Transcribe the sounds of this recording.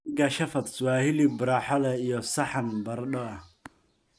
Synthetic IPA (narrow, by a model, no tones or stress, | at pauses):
ɡɐʃɐfɐt̪swaːhɪlɪbʊɾaːħɔlɛijɔsɐħanbɐrɖɔɐ